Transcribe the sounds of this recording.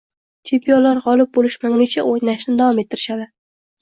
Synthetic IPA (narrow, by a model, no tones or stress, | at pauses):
t͡ʃʰempʰijɒlaɾʁɒlɪp̚bolɪʃmaŋlɪt͡ʃʰaʔojnaʃnɪd̪avɒmet̪ʰːɪɾɪʃad̪ɪ